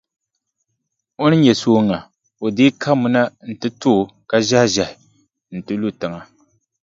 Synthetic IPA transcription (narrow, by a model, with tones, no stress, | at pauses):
o˦nɨ˦ɲɛ˨soː˦ŋa˨ | o˨dɪ˦kʰa˦mʊ˨na˦n̩˨tɨ˦tʊ˦˨ka˦ʒa˦hʒa˨hɪ˨ | n̩˨tɨ˦lu˦tɨ˨ŋa˨